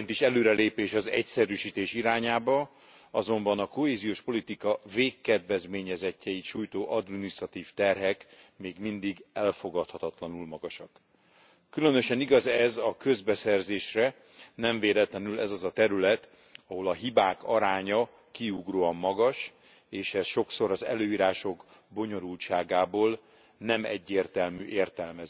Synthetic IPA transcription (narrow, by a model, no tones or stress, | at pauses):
nt̪iʃɛløːɾɛleːpeːʃɒzɛ̰csɛɾyːʃiːt̪eːʃiɾaːɲaːbɒ | ɒzo̞mbɒnɒko̞ɦeːzijoːʃpo̞lit̪ikɒveːkːɛd̪vɛzmeːɲɛzɛcːɛiʃuːjt̪oːʔɒd̪minist̪rɒt̪iːft̪ɛrɦɛkmeːɡmind̪iɡɛlfo̞ɡɒt̪hɒt̪ɒt̪lɒnulmɒɡɒʃɒkː | ylø̞nøʃɛniɡɒzɛzɒkø̞zbɛsɛrzeːʃrɛ | nɛɱveːlɛt̪lɛnylɛzɒzɒt̪ɛɾylɛt̪ | ɒɦo̞lɒɦibaːkɒɾaːɲɒ | kiuɡroːɒmːɒɡɒʃ | eːʃɛsʃo̞kso̞ɾɒzɛ̰løːiːɾaːʃo̞ɡ | bo̞ɲo̞ɾult͡ʃaːɡaːboːl | nɛmɛɟːeːrt̪ɛlmyːʔeːrt̪ɛlmɛz